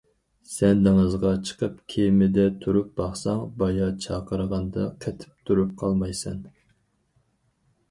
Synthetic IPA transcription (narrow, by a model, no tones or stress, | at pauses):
sɛnd̪ɪŋəzʁɑt͡ʃʰə̥qʰəp̚kʲʰemɪd̪ɛt̪ʰuɾup̚bɑχsɑŋbɑjɑt͡ʃʰɑːqəɾəʁɑnd̪ɑ̰qʰɛt̪ʰɪ̥p̚t̪ʰuɾup̚qʰɑlˠmɑjsɛ̰n